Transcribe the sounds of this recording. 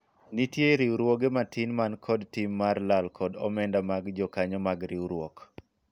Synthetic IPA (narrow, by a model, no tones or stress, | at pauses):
nitjeɾiuɾwoɡematɪnmankʰɔdtimːarlalkʰɔdɔmɛndamaɡd͡ʒɔkaɲɔmaɡɾiuɾwɔk